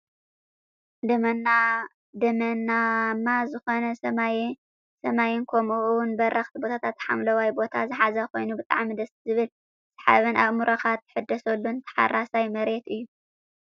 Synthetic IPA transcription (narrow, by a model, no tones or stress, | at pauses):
d̪ | d̪ɐmɐnamːazɨxo̞nɐ | sɐmajɪnkʰɐmuʔwnbɐɾʔɐxt̪ʰibo̞t̪ʰat̪ʰat̪ħa̰mlɐwajbo̞t̪ʰazɨħazɐko̞jnubɨt̪ʼaʕmid̪ɐszɨβɨl | sɨ̥ħa̰βɨnʔaβmuɾɐxat̪ːħɨd̪ːɐsɐlːunt̪ʰɐ̥ħa̰rːasajmɐɾe̞t̪ɨjːu